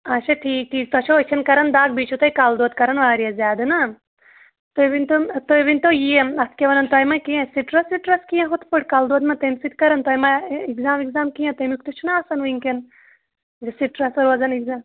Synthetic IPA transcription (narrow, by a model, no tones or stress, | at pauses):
ɐʃɐt̪ʰiːk̚t̪ʰiːk̚t̪ɐt͡ʃʰoɐt͡ʃʰɐnkɐɾɐnd̪aːɡ̚bit͡ʃʰut̪ɐjkald̪oːd̪kɐɾɐnʋaːɾijɐzʲjaːd̪ɨnɐ | t̪oʋint̪ot̪ojʋint̪ojieɐt̪̚ʰkʲeʋɐnɐnt̪oːjmɐkiẽsiʈɾɐsʋiʈɾɐskijẽɦut̪ʰpʰuʈkaːld̪oːd̪mɐt̪ɐmsit̪̚kɐɾɐnt̪ɔjmaiɡzaːmiɡzaːmkijɐ̃t̪ɐmik̚t̪ut͡ʃʰunaɐsɐnʋɨŋken | ɡɐsiʈɾɐsɐɾʋɐzɐniɡzaːm